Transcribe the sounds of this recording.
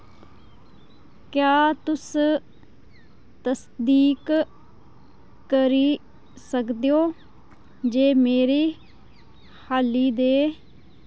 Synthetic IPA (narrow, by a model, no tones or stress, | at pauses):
kjaːt̪ʊs | t̪əsd̪iːk | kəɾiː | səkd̪eoː | d͡ʒeːmeːɾeː | haːliːd̪eː